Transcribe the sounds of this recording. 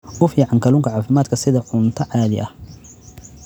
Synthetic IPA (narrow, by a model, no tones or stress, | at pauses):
ʊfjʕɑŋkʰɐlʊŋkʰɐʕaːfɪmaːd̪kʰɐsɪðɐʕʊnt̪ʰɐʕaːðɪ̰ʔɐh